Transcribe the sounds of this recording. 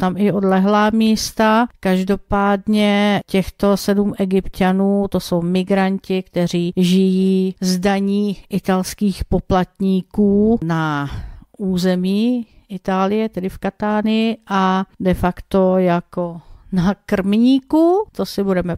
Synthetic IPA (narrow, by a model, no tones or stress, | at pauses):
t̪amɪo̞dlɛɦlaːmiːst̪akaʒdo̞paːdɲɛcɛxt̪o̞sɛdumɛɡɪpcanuːt̪o̞so̞wmɪɡɾancɪkt̪ɛr̝iːʒɪjiːzdaɲiːʔɪt̪alskiːxpo̞plat̪ɲiːkuːna | uːzɛmiː | ʔɪt̪aːlɪjɛt̪ɛdɪfkat̪aːnɪjɪʔadɛfakt̪o̞jakonakr̩mɲiːkut̪osɪbudɛmɛ